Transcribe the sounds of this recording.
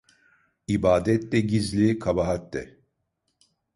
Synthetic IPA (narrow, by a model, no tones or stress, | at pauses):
ibaːd̪ɛt̪lɛɟizlʲikʰabaɦat̪ːɛ̰